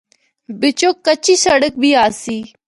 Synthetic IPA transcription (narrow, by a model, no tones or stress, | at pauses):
bɪt͡ʃoːkət͡ʃiːsəɽək̚bʱiːaːsiː